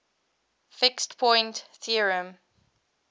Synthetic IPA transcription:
fɪkstpʰɔ̃ɪ̃ntθiəɹə̃m

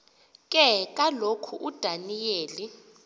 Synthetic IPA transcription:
kʼɛk̬ʼalokʰuʔud̥ʱanijeːli

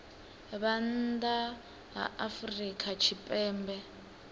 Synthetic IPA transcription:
βand̪a | ɦa̰ʔafrikʰʼat͡ʃʰipʼɛːmbɛ

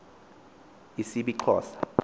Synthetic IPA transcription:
isiɓiǃʰɔ̰ːsḁ

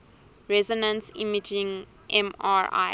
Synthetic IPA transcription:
ɹɛzɔnə̃nsḭmid͡ʒĩŋ | ʔɛ̃maɹa̰

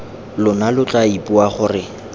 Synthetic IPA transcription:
lʊnalʊt͡ɬʼaipʼuaχʊrɪ

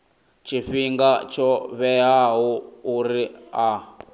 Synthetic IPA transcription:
t͡ʃʰiɸiŋɡat͡ʃʰɔβɛɦaɦuuɾia

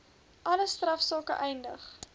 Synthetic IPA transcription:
ʔɐləstrɐfsɔːkə̰ʔɛjndəχ

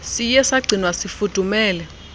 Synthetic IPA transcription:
sijɛsaɡ͡ǀʱinwasifud̥ʱumɛːlɛ

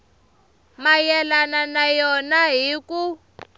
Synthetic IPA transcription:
majɛlananajɔnaɦiku

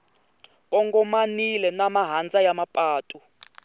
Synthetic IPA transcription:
kʼɔŋɡɔmanilɛnamaɦand͡zajamapʼaːtʼu

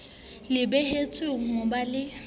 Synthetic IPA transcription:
lɪbɛhet͡sʼʊŋ̩obalɪ

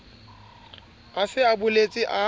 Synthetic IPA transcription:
afɪabʊlet͡sʼɪʔa

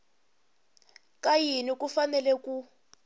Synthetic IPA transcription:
kajinikufanɛlɛku

